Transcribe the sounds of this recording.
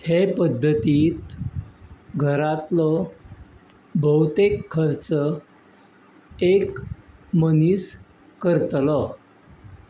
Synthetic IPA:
hepəd̪ʱːət̪iːt̪̚ | ɡʱəɾat̪lɔ | bʱəwt̪ekʰːəɾt͡sə | ekmənis | kəɾt̪lɔ

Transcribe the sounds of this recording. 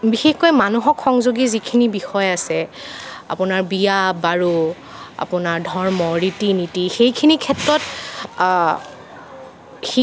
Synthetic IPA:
bixexkojmanuɦɔkxɔŋzuɡizikʰinibixɔjasɛ | a̰pʊnaɹbijabaɹu | a̰pʊnaɹdʱɔɹmɔɹitinitixejkʰinikʰɛtɹɔt | xi

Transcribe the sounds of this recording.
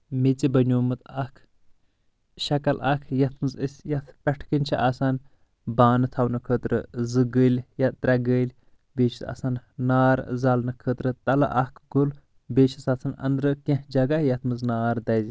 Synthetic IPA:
met͡sibɐnʲuːmɨt̪ɐkʰ | ʃɐkɐlʔɐ̰kʰjɐt̪ʰmɨzəsʲjɐt̪ʰpʲɛʈʰkɨnʲt͡ʃʰiʔaːsan | baːnɨt̪ʰɐwnɨkʰət̪ɾɨ̰zɨɡəlʲjɐt̪t̪ɾʲɐɡəlʲ | beːt͡ʃʰi̥t̪a̰ːsannaːɾzɐlnɨkʰət̪ɾɨt̪ɐlɨ̰ʔɐkʰɡul | beːt͡ʃʰisat͡sʰanɐ̰nd̪ɾɨkẽhd͡ʒɐɡajɐt̪ʰmɨznaːɾd̪ɐzʲ

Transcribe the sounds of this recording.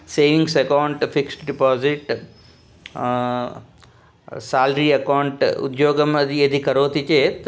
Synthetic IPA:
seːʋiŋɡsɐkawɳʈfiksʈɖipaːziʈ | saːlɾiːɐkawɳʈṵd̪joːɡɐmɐd̪ied̪ikɐɾoːt̪it͡ʃeːt̪

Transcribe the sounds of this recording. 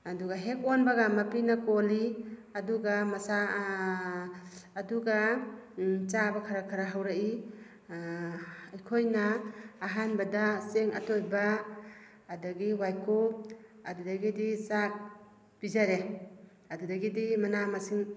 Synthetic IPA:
aduɡaɦek̚onbaɡamapinakoliaduɡamasa | duɡa | t͡ʃabakʰaɾakʰaɾaɦawɾaʔi | ajkʰojnaːɦanbadaseŋa̰tojbaː | daɡiwajkoadudaɡidisak̚ | b̥izaɾe | adudaɡidimanamasiŋ

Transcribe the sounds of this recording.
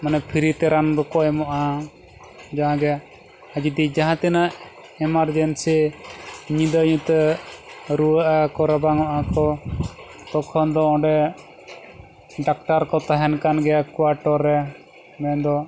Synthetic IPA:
manɛpʰiɾit̪ɛɾand̪ɔkɔɛmɔʔa | d͡ʒaɦãɡɛ | ad͡ʒid̪id͡ʒaɦãt̪ɛnaʔ | ɛmaɾd͡ʒɛnsi | ɲĩd̪əɲũt̪ɛ | ɾuəʔakɔɾabaŋɔʔakɔ | t̪ɔkʰɔnd̪ɔɔ̃ɖɛ | ɖak̚ʈaɾkɔt̪aɦɛnkanɡɛakwaɾʈɔɾːɛ | mɛnd̪ɔ

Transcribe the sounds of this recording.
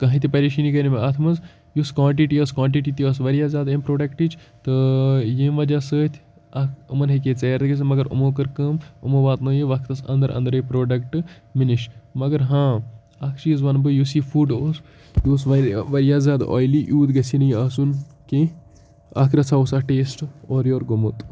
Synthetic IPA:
kɐɦĩt̪ipɐɾiʃiniɡɐnimeɐt̪ʰmɐz | juskʋãːɳʈiʈiɐskãːɳʈiʈ̬iːt̪iɐsʋɐɾjaːzʲjaːd̪empɾoːɖɐkʈit͡ʃ | t̪ɨjẽːmʋɐd͡ʒasəːt̪ʲʰ | ɐkɨmɐnɦɐket͡seːɾt̪kɐsmɐɡɐɾṵmoːkɨɾkɨmumoːʋaːt̪noːjeʋɐkʰt̪ɐsɐ̰̃nd̪ɐɾʔɐ̰̃nd̪ɾeːpɾoːɖɐkʈɨminiʃmɐɡɐɾɦãː | ɐkʰt͡ʃiːzʋɐnbɨjuːsiːfʰuːɖoːs | joːsʋɐʋɐɾijaːzʲjaːd̪o̰ːjliʔjuːd̪ɡɐsʰinɐjaːsunke | ɐkʰɾɐt͡sʰaːosaːʈeːsʈoːɾjoːɾɡomut̪

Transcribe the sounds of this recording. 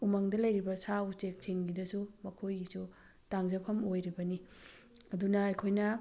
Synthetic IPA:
umɐŋdɐlɐjɾibɐsawt͡ʃek̚sʰiŋɡidɐsumɐkʰojɡisu | taŋzɐpʰɐmojɾibɐni | ɐdunɐɐjkʰojnɐ

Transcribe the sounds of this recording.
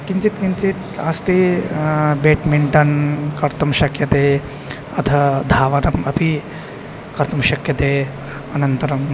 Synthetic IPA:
kiɲt͡ʃit̪kiɲt͡ʃit̪ɐst̪i | beːʈmeɳʈɐnkɐɾt̪ɐmʃɐkjɐt̪eː | ɐt̪ʰɐd̪ʱaːʋɐnɐmɐpʰi | kɐɾt̪ɐmʃɐkjɐt̪eː | ɐnɐnt̪ɐɾɐm

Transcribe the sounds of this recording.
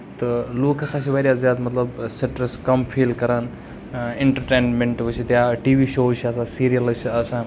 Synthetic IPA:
t̪əloːkʰɐsãːt͡ʃʰiʋɐɾjazjaːd̪mɐt̪ləbseʈɾəskɐmfʰiːlkɐɾan | ẽɳʈəɾʈeːnmẽɳʈʋut͡ʃʰit̪jaʈiːʋiːʃoːt͡ʃʰiɐsãsiːɾijəlt͡ʃʰiɐsãː

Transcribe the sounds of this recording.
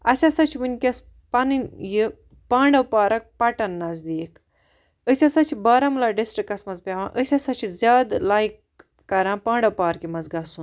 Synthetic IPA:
ɐsʲasɐt͡ʃʰiʋɨnʲkʲɐs | pɐnɨnʲji | paːɳɖɐwpaːɾɐk̚pɐʈɐnːɐzd̪iːk | əsʲasɐt͡ʃʰibɐːɾɐmlɐːɖisʈɾikːɐsmɐzpʲaːʋãːʔəsʲasɐt͡ʃʰizʲaːd̪laːik̚ː | ɐɾãːpãːɳɖɐwpaːɾkimɐzɡɐsun

